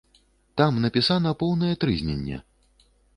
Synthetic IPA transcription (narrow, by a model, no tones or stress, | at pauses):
t̪amnɐpʲisanɐpɔwnɐjɛt̪ɾɨzʲnʲɛ̰nʲːɛ̰